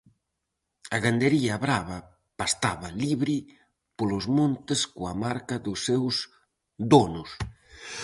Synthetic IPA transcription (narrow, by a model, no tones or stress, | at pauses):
ɐɣand̪eɾiɐβɾaβɐ | past̪aβɐliβɾi | polʊzmõnt̪ɪskoamaɾkɐðʊsːews | d̪onʊs